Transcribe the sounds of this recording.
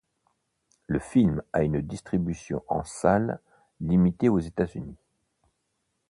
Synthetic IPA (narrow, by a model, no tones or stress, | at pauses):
ləfilmaynd̪ist̪χibysjɔ̰̃ʔɑ̰̃salː | imit̪eozet̪azyni